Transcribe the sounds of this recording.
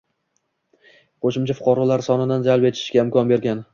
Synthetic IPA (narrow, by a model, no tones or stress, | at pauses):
qʰoʃɪmt͡ʃʰafʊ̥qʰɒɾɒlaɾsɒnɪd̪and͡ʒalpe̞t̪ʰɪ̥ʃɡʲaɪmkɒnbe̞ɾɡʲan